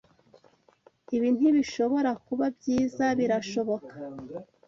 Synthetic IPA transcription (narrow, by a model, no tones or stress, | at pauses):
iβiːn̥huβiʃo̞βo̞ɾakuβabɟiːzaβiɾaʃo̞βo̞kḁ